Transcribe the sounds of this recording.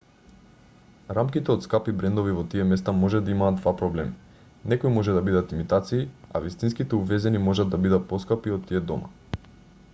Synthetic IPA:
ɾamkit̪ɛɔt̪skapibɾɛnd̪ovivɔt̪iɛmɛst̪amɔʒɛd̪aimaːd̪d̪vapɾɔblɛmi | nɛkoimɔʒɛd̪abid̪at̪imit̪at̪siːa̰vist̪inskit̪ɛuvɛzɛnimɔʒad̪abid̪at̪̚pɔskapiot̪ːiɛd̪ɔma̰

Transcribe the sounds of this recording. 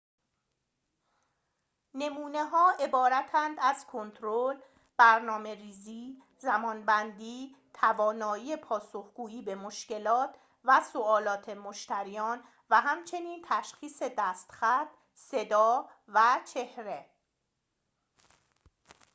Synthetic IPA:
ne̞muːne̞ɦɒːʔe̞bɒːɾæt̪ʰænd̪æzkʰont̪ʰɾol | b̥æɾnɒːme̞ɾiːziː | zæmɒːnbænd̪iː | t̪ʰævɒːnɒːiːepʰɒːsohɡuːiːbe̞moʃce̞lɒːt̪ʰ | væsoɒːlɒːt̪ʰe̞moʃt̪æɾijɒːn | væɦæmt͡ʃʰe̞niːnt̪ʰæʃxiːse̞d̪æst̪xæt̪̚ | se̞d̪ɒː | væt͡ʃʰe̞hɾe̞

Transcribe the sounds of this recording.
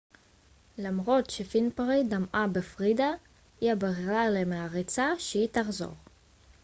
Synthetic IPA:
lamʁo̞t̪ʃefinpaʁid̪amʔabefʁid̪a | iabeʁʁalemeaʁit͡saʃeit̪aχzo̰ʁ

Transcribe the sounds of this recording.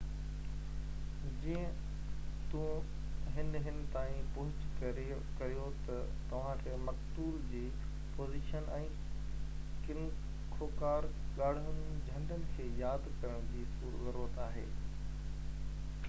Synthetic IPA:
d͡ʑiːə̃ | t̪ũ | ɦɪnɦɪnɪ̆t̪aːĩpʊɦʊt͡ɕkɐɾe | kɐɾijot̪ɐt̪ɐʋ̤ãkʰeːmɐkt̪uːɾd͡ʑiː | poːziːʃənɛ̃ː | kɪl | kʰoːkaːɾ | ɠaːɽ̤ʊnd͡ʑʱɐ̃nɖənɪ̆kʰeːjaːd̪kɐɾəɽ̃d͡ʑiːsuːɾɡɐɾoːət̪aːɦḛː

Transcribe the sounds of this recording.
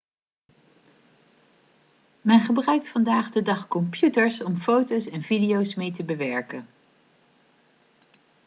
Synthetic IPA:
mɛnχəbrœɥk̚tfɑndaːχdədɑχkɔmpjutəɹsɔmfowtowsɛnvidijowsmejtəbəʋɛɹkən

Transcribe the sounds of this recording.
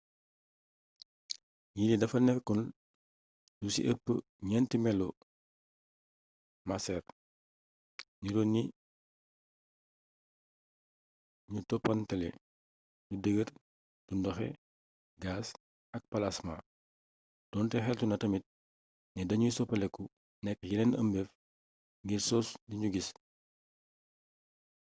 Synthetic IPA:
jinidɐfɐnɛkun | dusḭʔəpːə | ɲɛntimɛlɔ | masɛr | ɲuɾɔnːi | ɲutɔpːɐntɐlḛ | dudəɡət | d̥undɔxɛ̰ | ɡaːs | ɐk̚pɐlasma | d̥ɔːntɛxɛltunɐtɐmit̚ | nɛdɐɲusɔpɐlɛkːu | nɛkːjiɾɛnɐmbɛf | ŋɡiɾsɔsdiɲuɡis

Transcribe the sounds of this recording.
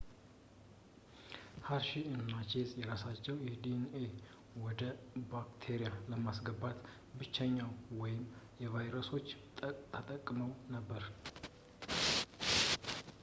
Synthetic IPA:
haɾʃiɨnːat͡ʃezʼjɛɾasat͡ʃːɛwjɛd̪ine | wɔd̪əbakt̪ʰeɾijaləmasɡəbat̪ | bɨt͡ʃːɛɲːawwɔjɪmjɛvajɾəso̞t͡ʃː | t̪ʰət̪ʼəkʼːməwnəbːəɾ

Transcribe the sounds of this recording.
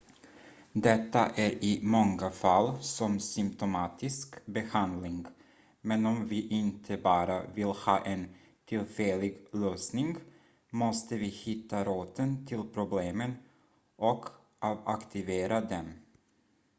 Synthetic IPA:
d̪ɛt̪ːaʔæɾɪmɔŋːafalːsɔmsʏmpt̪ʊmɑːt̪ʰɪskbɛhand̪lɪŋ | mɛnɔmvɪʔɪnt̪ʰəbɑːɾa̰vɪlhɑːʔɛn | t̪ʰɪlfɛlɪɡløːsnɪŋ | mɔst̪əvɪhɪt̪ʰːaɾuːt̪ənt̪ʰɪlpʰɾʊbleːmən | ʔɔk | ʔɑvakt̪ʰɪveːɾad̪ɛm

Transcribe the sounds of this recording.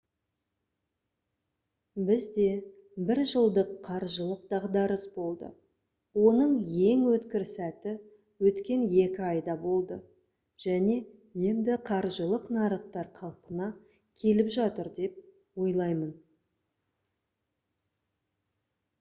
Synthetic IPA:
bɪzd̪e̞ | bɪɾʒəlˠd̪əqʰːɑɾʒəlˠəq̚d̪ɑʁd̪ɑɾəsbo̞lˠd̪ə̰ | wo̞nəɴje̞ŋwɵt̪kʲɪɾsæt̪ɪ | wɵt̪kʲe̞nje̞kʲɪɑjd̪ɑbo̞lˠd̪ə | ʒ̥æne̞ | je̞nd̪ɪqʰɑɾʒəlˠəqnɑɾəqt̪ɑɾqʰɑlˠpənɑ | kʲʰe̞lɪpʒɑt̪əɾd̪e̞p̚ | wo̞jlˠɑjmən

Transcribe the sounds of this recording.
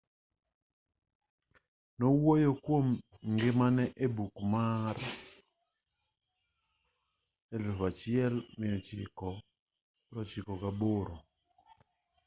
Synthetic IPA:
nowojokwomŋɡɪmanɛʔebukmaɾ | elʊfat͡ʃɪɛlmɪɔt͡ʃɪkɔ | ɾɔt͡ʃɪkɔkaboɾo

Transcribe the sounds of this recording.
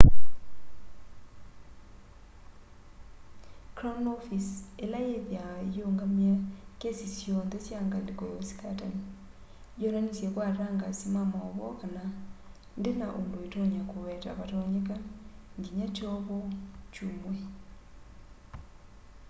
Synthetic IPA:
kɾonofiselajeðjajoːŋɡamakesisjɔnðesjaŋɡandikojosi̥katani | joɾanisjekwaɾɾaŋɡasimamaβɔ̰kana | ndenaʔondoetoɲakowɛta̰βatɔɲekaɲɡiɲat͡ʃɔβot͡ʃumwe

